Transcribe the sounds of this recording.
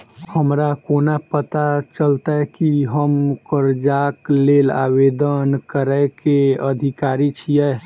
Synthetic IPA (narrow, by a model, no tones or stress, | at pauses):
həmɾakonapət̪at͡ʃəlt̪akiɦəmkəɾd͡ʒaklela̰bed̪ənkəɾəkeəd̪ʱikaɾit͡ʃʰijɛ